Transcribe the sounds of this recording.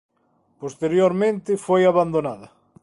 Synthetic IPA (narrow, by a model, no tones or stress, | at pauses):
post̪eɾjoɾmẽnt̪ɪfojaβand̪onaðɐ